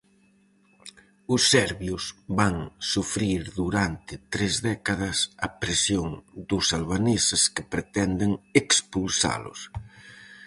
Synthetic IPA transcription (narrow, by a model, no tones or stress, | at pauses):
ʊsːɛɾβjʊsβaŋsufɾiɾðuɾant̪ɪt̪ɾezðɛkaðɐsɐpɾesjoŋd̪ʊsalβanesɪskɪpɾet̪ɛnd̪ɪŋekspulsa̰lʊ̰s